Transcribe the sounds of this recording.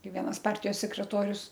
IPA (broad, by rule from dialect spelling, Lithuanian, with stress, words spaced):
ˈkɐɪ ˈʋʲiɛnɐs ˈpɐrʲtʲɪjoːs sʲɛkrʲɛˈtoːrʲʊs